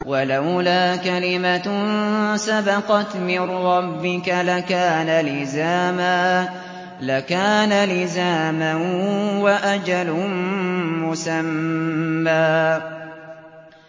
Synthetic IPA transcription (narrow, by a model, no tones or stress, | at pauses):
walawlaːkalɪma | sabɑqɑt̪mɪnɾɑbːɪkalakaːnalɪzaːmaː | lakaːnalɪzaːmanwaʔad͡ʒal | mʊsamː | aː